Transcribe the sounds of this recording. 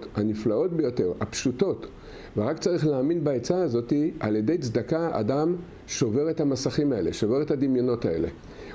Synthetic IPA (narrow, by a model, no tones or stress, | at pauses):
taniflao̞tbe̞jo̞te̞ʁapʃuto̞t | veʁakt͡saʁiχleːminbaet͡saːzo̞tia̰lje̞de̞jt͡sd̪akaa̰dam | ʃo̞ve̞ʁetamasaχimae̞le̞̰ʃove̞ʁetad̪imjono̞tae̞̰le̞̰